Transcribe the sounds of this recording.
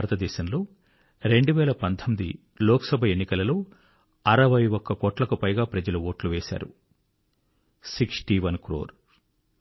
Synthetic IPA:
ɾɐt̪ɐd̪ɛːʃɐmloː | ɾe̞ɳɖuʋɛːlɐpɐnd̪ʰɐmid̪i | lɔːkɐsɐbʱɐenːikɐlɐlo̞ː | ɐɾɐʋɐjɔkːɐkɔːʈlɐkupɐjɡaːpɾɐd͡ʒɐluʋoːʈluʋɛːʃa̰ːɾṵ | siksʈiʋɐnkɾo̰ːɾ

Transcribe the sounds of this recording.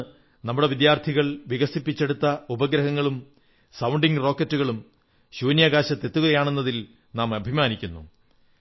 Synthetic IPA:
nɐmːuɽe̞ʋid̪jaːrt̪ʰiɣɐɭʋiɣɐsipːit͡ɕːe̞ɽut̪ːɐubɐɡɾɐɦɐŋːɐɭum | sɐwɳɖiŋɡro̞ːkːɐtːuɣɐɭum | ɕuːnjɐɣaːɕɐt̪ːe̞t̪ːuɣɐjaːɳe̞nːɐðil | naːmɐbʱimaːnikʲːunːṵ

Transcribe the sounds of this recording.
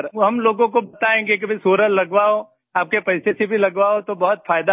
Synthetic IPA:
ɾɦɐmloːɡõk̬obɐt̪aẽːɡek̬ibʱisoːɾəllɐɡʋaɦo | aːp̚kepɐɪsesebʱilɐɡʋaɦot̪obɐɦʊt̪faːjd̪a

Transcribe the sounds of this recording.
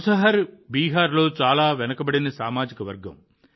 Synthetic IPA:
sɐɦɐɾbiːɦaːɾlo̞ːt͡ʃaːlaːʋɛnɐkɐbɐɽinɐsaːmaːd͡ʒikɐʋɐɾɡɐ̰m

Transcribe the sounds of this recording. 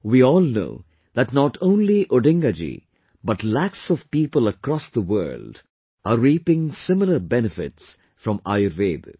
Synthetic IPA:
wiɔːlno̰ʊ | ðæʈnɔʈʰõʊ̃nliʔoɖɪ̃ŋɡad͡ʒḭ | bʌʈlæksɔv̥piːpələkɾɔsðəwɜ̰ːld | əɾiːpɪ̃ŋsɪmɪləbɛnɨfɪ̰ts | fɾɔ̃ma̰ɪəɾveːd̪

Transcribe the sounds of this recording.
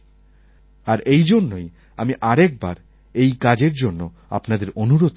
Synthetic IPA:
aɾejd͡ʑonːoj | amiʔaɾɛk̚baɾ | ejkad͡ʑeɾd͡ʑonːo | a̰pnad̪eɾonuɾod̪

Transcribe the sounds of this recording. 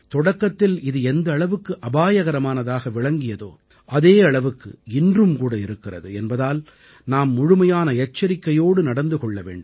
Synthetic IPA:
t̪ɔɽɐkːɐt̪ːɪlɪðɯɛnd̪ɐːɭɐʋɯkːɯʔɐbaːjɐɣɐɾɐmaːnɐðaːɣɐʋɪɭɐŋɡɪjɐðo̰ː | ʔɐðeːɐɭɐʋɯkːɯ̰ɪndrɯmkuːɽɐɪɾɯkːɪrɐ̰ðɯɛnbɐðaːl | naːmːʊɻʊmɐjaːnɐɛt͡ʃːɐɾɪkːɐjoːɽɯnɐɽɐnd̪ɯkɔɭːɐʋḛːɳɖɯm

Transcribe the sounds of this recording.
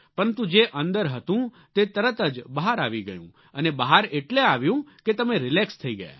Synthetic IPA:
pəɾənt̪ũd͡ʒeʔə̃nd̪əɾɦət̪ũ | t̪et̪əɾət̪əd͡ʒbəɦaɾaʋiɡə̰jṵ̃ | ənebəɦaɾeʈleaʋjũket̪əmeɾɪlekst̪ʰəiɡəja̰

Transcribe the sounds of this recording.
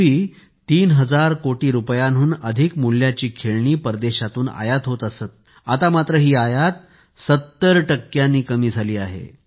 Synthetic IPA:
ɦiː | t̪iːnɦəd͡zaɾkoʈiːɾupjanɦuːnəd̪ʱikmul̤jat͡ɕiːkʰeɭɳiːpəɾd̪eɕat̪uːna̰jat̪ɦot̪əsət̪̚ | at̪amat̪ɾəɦiːajat̪ | sət̪ːəɾʈəkːjanːiːkəmiːd͡zʱaliːaɦḛ

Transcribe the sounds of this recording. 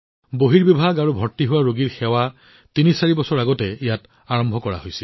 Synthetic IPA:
boɦiɹbibʱaɡaɹubʱɔɹtiɦʊwaɹoɡiɹxɛwa | tinisaɹibɔsɔɹaɡɔtɛijat | aɹɔmbʱɔkɔɹa̰hojsil

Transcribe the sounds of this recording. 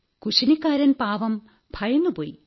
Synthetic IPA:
kuɕɐnikːaːɾɐnpaːʋɐm | b̥ʱɐjɐnːupoːji

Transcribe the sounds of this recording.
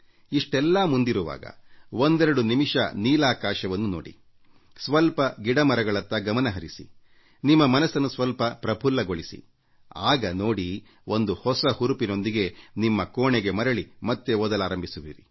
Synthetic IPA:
iʂʈɛlːɐmund̪iɾuʋa̰ːɡɐ̰ʋond̪ɛɾɐɽunimiʂɐ̰niːlaːkaːʃɐʋɐnːuno̰ːɽḭ | sʋɐlpɐɡiɽɐmɐɾɐɡɐɭɐt̪ːɐɡɐmɐnɐɦɐɾisḭ | nimːɐmɐnɐsɐnːusʋɐlpɐpɾɐbʱulːɐɡo̞ɭisḭ | aːɡɐno̞ːɽi | ʔo̞nd̪uhɔsɐhuɾupino̞nd̪iɡe̞nimːɐkoːɳeɡe̞mɐɾɐɭimɐt̪ːeɔd̪ɐlaːɾɐmbʱisuʋḭːɾi

